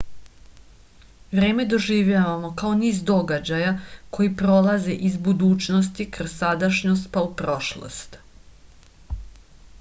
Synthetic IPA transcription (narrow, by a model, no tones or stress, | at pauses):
ʋɾe̞ːme̞d̪o̞ʒiːʋʎaʋamo̞kao̞niːzd̪o̞ɡad͡ʑajako̞jipɾo̞laze̞ʔizbud̪uːt͡ʃno̞st̪ikrsad̪aʃɲo̞st̪̚paupɾo̞ʃlˠo̰st̪